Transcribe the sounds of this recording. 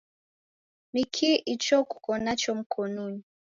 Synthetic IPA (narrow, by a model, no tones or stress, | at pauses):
mikʰiʔit͡ʃɔku̥kɔnat͡ʃɔm̩kʰɔnɔni